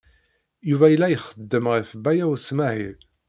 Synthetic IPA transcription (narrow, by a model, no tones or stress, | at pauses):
juvæjəlːæjəχəd̪ːəmʁifbæjæwsmæhḭ